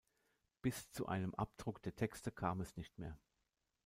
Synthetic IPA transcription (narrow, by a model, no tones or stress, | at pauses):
b̥ɪst͡suʔa̰ɪnəmʔa̰p̚d̥ʁʊkd̥eːɐtʰɛkstəkʰaːmɛsnɪçtmeːɐ